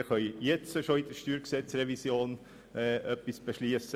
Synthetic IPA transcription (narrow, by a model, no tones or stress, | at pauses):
kœʏjɛt͡səʃoid̥̪əʃtyːɾksɛt͡srɛvisjoːn | ɛʔœpːisb̥əʃliːəsə